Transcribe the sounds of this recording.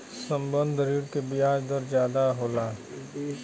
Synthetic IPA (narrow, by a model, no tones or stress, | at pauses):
sə̃mbə̃nd̪ʱəɾiːɾkebiaːd͡ʒd̪əɾd͡ʒjaːd̪aɦoːlaː